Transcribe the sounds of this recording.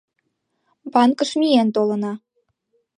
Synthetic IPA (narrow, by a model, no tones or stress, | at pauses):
bɑnkə̆ʃmʲient̪olɤ̆nɑ